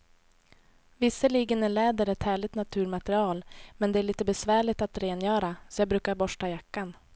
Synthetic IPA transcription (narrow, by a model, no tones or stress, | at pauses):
vɪsːəliːɡənæɭɛːd̪əɾɛt̪hæːɭɪɡ̚t̪nat̪ʰʉ̟ːɾmat̪ɛɾɪɑːlmɛnd̪ɛæɭiːt̪əbɛsvæːɭɪt̪at̪ɾeːnjœːɾasɔjɑːɡbɾʉ̟ːkaɾbɔʂʈajakːan